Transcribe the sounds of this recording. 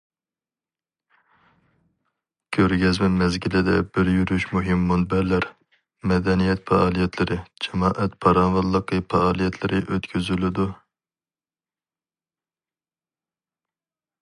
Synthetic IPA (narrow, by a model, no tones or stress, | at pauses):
kʲʰøɾɡʲɛzmɛmɛzɡʲilɪd̪ɛbɪɾjyɾyʃmuɦɪmːunbɛɾlæɾ | mɛd̪ɛnijɛt̪fɛɑːlˠijɛt̪ʰlɪɾɪd͡ʒɛmɑːʔɛt̪pʰɑɾɑnwɑlˠːəqʰɨfʰɑɑːlˠijɛt̪ʰlɪɾʔɪʔøt̪kʲʰyzylɪd̪u